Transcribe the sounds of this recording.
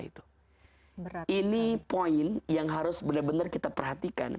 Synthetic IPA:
ḭt̪u̥ | inipoɪnjaŋɦaɾʊsbənarbənarkit̪apərɦat̪ika̰n

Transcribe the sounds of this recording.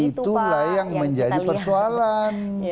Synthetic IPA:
it̪ulahjaŋməɲd͡ʒadipərsoalan

